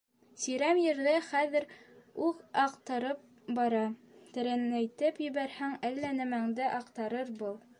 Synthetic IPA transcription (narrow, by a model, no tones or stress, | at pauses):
sɵ̆jɾæmjɘ̆ɾðæχæðɘ̆ɾʉðɑqt̪ɤ̆ɾɤp̚ | bɑɾɑ | t̪ɘ̆ɾænːæjt̪ɘpjɘ̆βæɾhæŋælːænæ̆mæŋd̪ɘʔɑqt̪ɑɾɤɾbɤlˠ